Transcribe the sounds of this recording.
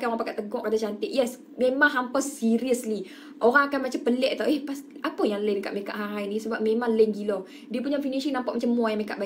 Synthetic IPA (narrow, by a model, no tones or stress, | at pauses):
kaʔoɾampakaʔt̪əɡɔʔkad̪at͡ʃant̪ɪʔjɛs | memaŋɦampəsːiɾiəsli | ʔoɾaŋakanmat͡ʃampəlɛʔt̪aʔɛhpasʔapəjaŋlənka̰ʔmeka̰ʔɦaɾainisəbap̚memaŋlənɡilɔ | diapuɲafiniʃiŋnampaʔmat͡ʃamːuajãŋmeka̰ʔba